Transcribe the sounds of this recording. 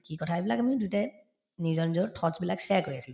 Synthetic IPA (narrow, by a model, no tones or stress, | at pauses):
kikɔtʰajbilakamidutɛ | nizɔɹnizɔɹtʰɔzbilaksɛaɹkoɹiasil